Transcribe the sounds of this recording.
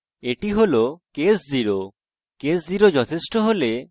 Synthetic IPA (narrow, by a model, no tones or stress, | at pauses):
eʈiɦolokesd͡ʑiɾo | kesd͡ʑiɾod͡ʑɔt̪ʰeʃʈoɦole